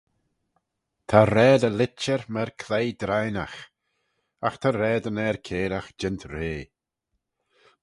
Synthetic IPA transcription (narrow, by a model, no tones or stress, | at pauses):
t̪ʰaɾɛːd̪əlɪt͡ʃəɹmɛɹkʰlejd̪ɾajnax | axt̪ʰaɾɛːd̪ənɛːɹkʰeːɾaxd͡ʒɪnt̪ʰɾeː